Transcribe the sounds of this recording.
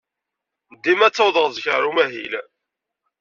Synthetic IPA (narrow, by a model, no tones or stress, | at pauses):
nd̪ːimæt͡sːɑwðəʁzçəɾumæɦḭl